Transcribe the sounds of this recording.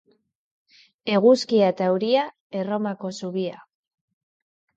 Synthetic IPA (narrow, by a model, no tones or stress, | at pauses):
e̞ɣuskiat̪awɾia | e̞ro̞mako̞suβia